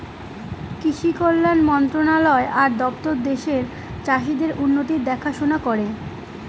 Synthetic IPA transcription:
kiʃikolːanmɔnt̪ɾonalɔeʔaɾd̪ɔpt̪oɾd̪eʃeɾ | t͡ɕaʃid̪eɾʔunːot̪iɾd̪ɛkʰaʃonakɔɾe

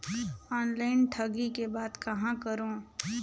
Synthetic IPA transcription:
ɔːnlaːɪnʈʰɐɡikebaːd̪kɐɦãkəɾõː

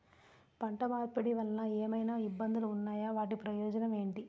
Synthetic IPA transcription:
pɐɳʈɐmaːɾpɐɽiʋɐlnɐeːmɐjnaːibːɐnd̪uluːnːaːjaːʋaːʈ̬ipɾɐjɔːd͡ʒɐnɐme̞ːɳʈi

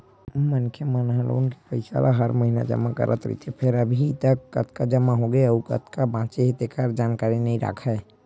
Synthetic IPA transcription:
mənkʰjəmənɦə̃lo̰ːnkepəɪsa̰lʔa̰ɦəɾməɦinad͡ʒə̰makə̰ɾʔə̰t̪ɾḭt̪ʰepʰeɾəbʱit̪əkːə̰t̪kad͡ʒəmaɦoɡeəukə̰t̪ʰkabãːt͡ʃeɦet̪ekəɾd͡ʒaːnkaːɾinəɦĩɾa̰kʰɛː

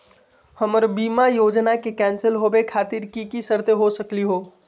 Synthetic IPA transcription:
həməɾbiːmajoːd͡ʒnakekɛ̃ːnsəlɦobekʰaːt̪iɾkikisəɾt̪eɦosəkliɦoː

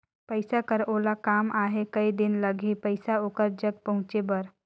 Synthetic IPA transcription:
pəɪsakəɾoːlakaːmaːɦekɐid̪ɪnləɡʱepəɪsaoːkəɾd͡ʒəɡ̚pɐɦʊ̃t͡ʃebəɾ

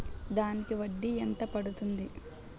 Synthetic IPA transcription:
d̪aːnikiʋɐɖːiɛnt̪ɐpɐɽut̪und̪i

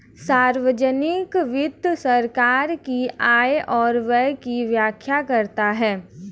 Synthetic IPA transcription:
saːɾʋəd͡ʒənɪkʋɪd̪ʱsɐɾkaːɾkiaːjʔɔːɾʋɛkiʋjaːkʰjakɐɾt̪aɦɛː

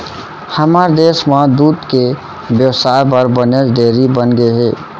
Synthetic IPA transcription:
həməɾd̪esmad̪ud̪ke | bjəwsaebəɾbəneɾd̪eɾibənɡeɦe

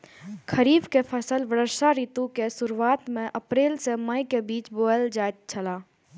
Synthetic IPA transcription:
kʰəɾiːbkepʰəsəlʋəɾəɾʃaɾiːt̪ũkesʊɾuaːt̪mẽʔəpɾeːlseməikebiːt͡ʃboːəld͡ʒaːjt̪̚t͡ʃʰəlaː

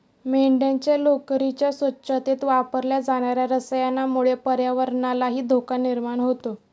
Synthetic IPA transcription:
meɳɖẽɲt͡ɕelokɾit͡ɕjasʋətːɕət̪et̪ʋapəɾljad͡zaɽ̃aɾjaɾəsəjanːamuɭepəɾjaʋəɾɳalaɦiːd̪ʱokaniɾmaɳɦot̪o

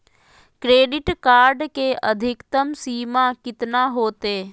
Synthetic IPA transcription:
kɾeːɖɪʈkaːɾɖkeʔəd̪ʱɪkt̪əmsiːmakɪt̪naɦoːt̪eː

